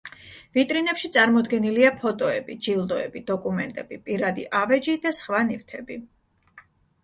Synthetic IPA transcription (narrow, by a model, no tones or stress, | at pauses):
vit̪ʼɾinɛpʃit̪sʼaɾmɔd̪ɡɛniliapʰɔt̪ʼɔɛbid͡ʒilˠd̪ɔɛ̰bid̪̥ɔkʼumɛnt̪ʼɛb̥ipʼiɾad̪iʔavɛd͡ʒid̪asχwanift̪ʰɛbi